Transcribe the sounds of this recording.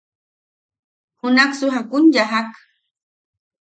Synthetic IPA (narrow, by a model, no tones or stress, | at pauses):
hʊnaχsʊɦakʊnʎaɦak